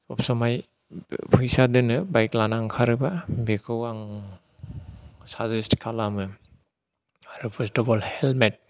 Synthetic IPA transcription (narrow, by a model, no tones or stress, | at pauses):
ɔpsɔmaj | pʰɯjsadɯnɯbajklanaŋkʰaɾɯbabekʰɯwaŋ | sazistkʰalamɯ | aɾupʰestɔbɔlhelmet̚